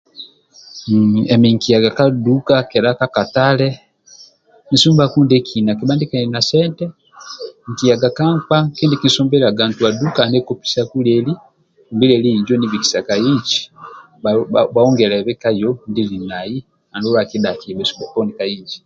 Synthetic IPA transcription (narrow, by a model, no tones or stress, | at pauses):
emiŋkijaɡakadukakɛlakakatalɛ | nisuːmbakuːndɛkʰinakibaːndikaninasɛːntɛ | ŋkijaɡakaŋkakiːndikisuːmbɛlaɡantuadukandɛkopi̥sakulɛli | nbilɛliiɲd͡ʒɔniβiti̥sakajiɲt͡ʃi̥ | βaɔŋɡɛlɛβɛkajɔndilinaji | andulakidakimɛsu̥mbakɔnikajiːɲd͡ʒi̥